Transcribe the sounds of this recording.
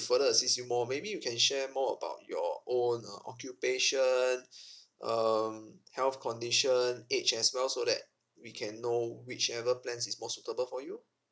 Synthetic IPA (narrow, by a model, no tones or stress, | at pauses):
fədəəsisjumɔmebijukʰɛ̃nʃɛmɔə̰ba̰ʊt̚jɔ̰õnə̰ʔɔ̰kjupeʃə̃n | ʔʌmhɛlθkʰɔ̃ndiʃə̃net͡ʃɛswɛlsodɛ̰t̚ | wikʰɛ̃nːowit͡ʃɛvəplɛ̃nsismɔsutəbəlfɔju